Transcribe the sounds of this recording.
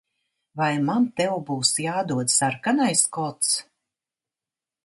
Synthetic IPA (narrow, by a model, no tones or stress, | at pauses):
vajmant̪ɛwbuːsjaːd̪uɔt̪saɾkanajskɔt̪s